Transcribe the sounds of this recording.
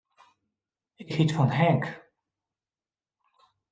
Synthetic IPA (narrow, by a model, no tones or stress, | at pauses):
ɪkhitfɑnɦɛŋk